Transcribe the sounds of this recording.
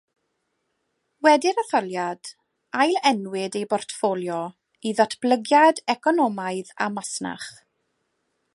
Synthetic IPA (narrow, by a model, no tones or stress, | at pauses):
wɛdɪɾaθɔlˠjad̥ | ajlɛnwɪdejbɔrtfolˠjɔ | iðɔtʰb̥ləɡjadɛkʰɔnɔmaɨða̰masna̰χ